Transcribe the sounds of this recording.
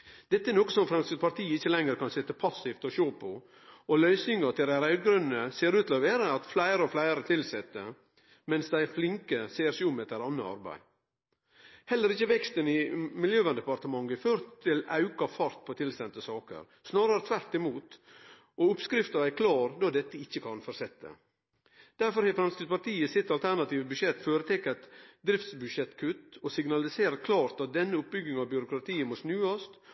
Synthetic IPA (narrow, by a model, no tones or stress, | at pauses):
d̪̥ɛt̪ːəæɛɾnoːkəsɔmfɾɛmskət̪pɑɾt̪ʰiːəɪçːəlɛŋəɾkɑnsɪt̪ːəpʰɑsɪft̪ɔɕoːpʰɔ | ɔlœʏsnɪŋɑt̪ʰɪld̪æɾɑʉɡɾʉnːəseːɾʉːt̪ʰlɑʋeːɾəɑt̪flæɪɾəɔflæɪɾət̪ʰɪlsɛt̪ːə | mɛnsd̪æɪɾflɪŋkəseːɾsɪɔmɛt̪æɾɑnːəɑ̰ɾbæ̰ɪ | hɛlːəɾɪçːəʋɛkst̪ənɪmɪljøːʋɑnd̪ɛpɑɾt̪əmɑŋɡəføːɾt̪ʰːɪlɑʉkɑfɑɾt̪̚pʰɔt̪ʰɪlsɛnt̪əsɑːkə̰ɾ | snɑːɾəɾət̪ʰʋæɾt̪ɪmuːt̪ | ʔɔʊpskɾɪft̪əɾæɪkʰlɑːɾd̪ɑːd̪ɛt̪ːəɪçːəkʰɑnfɔɾsɛt̪ːə̰ | d̪̥æɾfɔɾhɛfɾɑmskəspɑɾʈ̪iːəsɪt̪ːɑlt̪ʰæɾnɑt̪iːʋəbʉʃɛt̪ːføːɾət̪ʰɛkːæt̪d̪ɾɪft̪sbʉdʃɛt̪kʰʉt̪ːɔsɪɡnɑlɪseːɾəkʰlɑːɾt̪ɑt̪̚d̪ɛnːəʊp̚bʏɡɪŋɑʋbjʏɾʊkɾɑt̪ʰiːəmosnʉːɑst̪